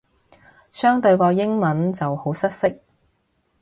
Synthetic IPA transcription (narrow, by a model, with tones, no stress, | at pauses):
sœː˥ŋt̪ɵ˧ɥkɔː˧jɪ˥ŋmɐ˨˥nt͡sɐ˨who˨˥wsɐ˥t̚sɪ˥k̚